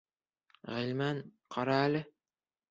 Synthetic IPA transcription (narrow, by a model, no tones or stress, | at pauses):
ʁɘ̆lmænqʰɑɾɑælɘ